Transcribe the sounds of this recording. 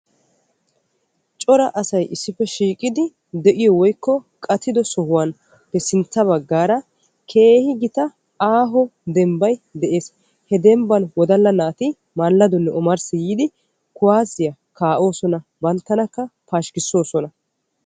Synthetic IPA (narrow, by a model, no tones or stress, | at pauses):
t͡ʃʼɔɾɐʔɐsɐjʔɪsːɪpːɛʃiːkʼɪd̪ɪ | d̪ɛʔɪjɔwɔjkːɔ | kʼɐt̪ɪd̪ɔsɔhʊwan | pɛsɪnt͡sːɐβɐɡːaːɾɐ | kʰe̞ːhɪɡɪt̪ɐ | aːɦɔd̪ɛmbɐjd̪ɛʔe̞ːs | hɛd̪ɛmbɐnwɔd̪ɐlːɐnaːt̪ɪ | malːɐd̪ɔnːɛʔɔmɐɾsɪjiːd̪ɪ | kʊwaːzɪjɐ | kaːʔo̞ːsɔnɐbɐnt̪ːɐnɐkːɐpaːʃkɪsːo̞ːsɔnɐ